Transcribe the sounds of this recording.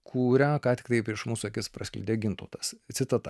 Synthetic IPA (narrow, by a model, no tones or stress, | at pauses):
kʰuːɾʲækɑːt̪ʲɪ̥kt̪ɐɪpʲɪʃmuːsuɐkʲɪspɾɐsʲkʲlʲʊ̰d̪ʲeːɡʲɪnt̪o̰ːt̪ɐssʲɪt̪ɐt̪ɐ